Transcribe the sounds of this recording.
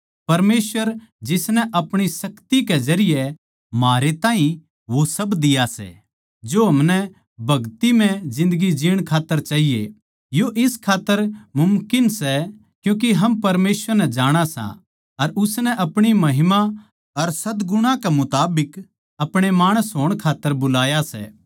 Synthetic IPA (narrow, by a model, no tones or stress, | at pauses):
pɐɾmeːsʋəɾd͡ʒɪsnɛʔɐpɽ̃isɐkt̪ikɛd͡ʒɐɾɪjɛ | maːɾet̪ãːɦĩ | ʋosɐbd̪ɪjasɛ̰ | d͡ʒoɦɐmnɛ | bʱɐɡt̪imɛ̃d͡ʒɪ̃nd̪əɡid͡ʒɪːɽ̃kʰaːt̪ːəɾt͡ʃaːɦijḛ | joʔɪskʰaːt̪ːəɾmʊmkɪnsɛ | kjũːk̬iɦɐmpɐɾmeːsʋəɾnɛd͡ʒaːɽ̃asã̰ | ɐɾʊsnɛʔɐpɽ̃imɐɦɪma | ɐɾsɐd̪ɡʊɽ̃ãkɛmʊt̪aːbɪk | ɐpɽ̃emaːɽ̃əsɦoːɽ̃kʰaːt̪ːəɾbʊlaːjasɛ̰